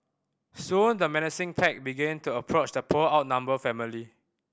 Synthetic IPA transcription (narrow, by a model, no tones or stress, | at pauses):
sũndəmɛnəsɪ̃ŋpʰɛk̚biɡɛ̃ntuəpʰɹot͡ʃdəpʰoaʊt̚nãmbəfɛmili